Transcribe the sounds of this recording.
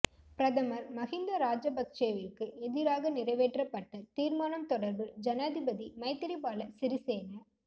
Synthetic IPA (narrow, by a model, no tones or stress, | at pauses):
pɪɾɐðɐmɐɾmɐɣɪnd̪ɐɾaːd͡ʒɐbɐk̚t͡ʃeːʋɪrkɯɛðɪɾaːɣɐnɪrɐɪʋeːʈrɐpːɐʈːɐt̪iːɾmaːnɐmt̪ɔɽɐɾbɯd͡ʒɐnaːðɪbɐðimɐɪt̪ːɪɾipaːlɐsɪɾɪseːnɐ